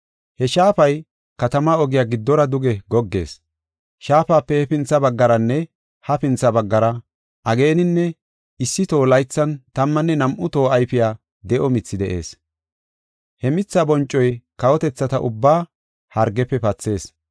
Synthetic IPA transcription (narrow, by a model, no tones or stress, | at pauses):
hɛʃaːpɐj | kɐt̪ɐmaɔɡɪjaːɡɪd̪ːɔɾɐd̪ʊɡɛɡɔɡːe̞̰ːs | ʃaːpaːpːɛhɛpɪnt͡sːɐbɐɡːɐɾɐnːɛ | hɐpɪnt͡sːɐbɐɡːɐɾɐ | ʔɐɡe̞ːnɪnːɛ | ɪsːɪt̪oːlɐjt͡sːɐnt̪ɐmːɐnːɛnɐmʔʊt̪o̞ːɐjpɪjaː | d̪ɛʔɔmɪt͡sːɪd̪ɛʔe̞̰ːs | hɛmɪt͡sːɐbɔnt͡ʃʼːɔjkɐwɔt̪ɛt͡sːɐt̪ɐʔʊbːaː | hɐɾɡːɛpːɛpɐt͡sːe̞ːs